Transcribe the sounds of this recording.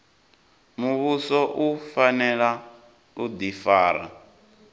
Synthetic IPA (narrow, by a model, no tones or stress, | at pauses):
muβusɔʔufanɛɺa | ud̪ifaːɾa̰